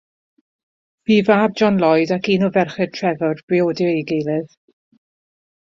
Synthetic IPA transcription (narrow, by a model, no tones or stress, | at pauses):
v̥iːvaːb̚d͡ʒɔnlˠɔjdakiːnɔvɛrχɛd̚tʰrɛvɔrb̥rioːdɪeɡejlˠɪð